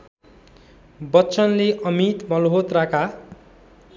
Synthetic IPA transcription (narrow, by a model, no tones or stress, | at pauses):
bʌtːt͡sʌnleʔʌmit̪mʌlɦot̪raka